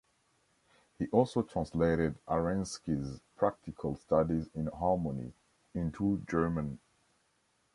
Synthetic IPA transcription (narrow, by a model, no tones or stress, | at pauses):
hiʔɔlˠsotʰɹ̥ãnsleɪɾɪdaɹɛ̃nskizpʰɹ̥ak̚tɪkʰəlˠstadizɪ̃nɦɑmənḭ | ɪ̃ntʰud͡ʒɜːmə̃n